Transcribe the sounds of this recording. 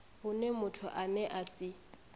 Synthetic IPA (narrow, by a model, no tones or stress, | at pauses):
hʊnɛmʊtʰʊʔanɛʔasɪ